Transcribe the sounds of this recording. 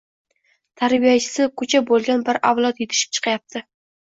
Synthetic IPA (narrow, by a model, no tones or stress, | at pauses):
t̪ʰaɾbijat͡ʃʰɪ̥sɪkʰʊt͡ʃʰabolˠɡʲanbɪɾʔavlˠɒt̪jet̪ʰɪ̥ʃɪ̥p̚t͡ʃʰɨ̥qʰɑjap̚t̪ʰɪ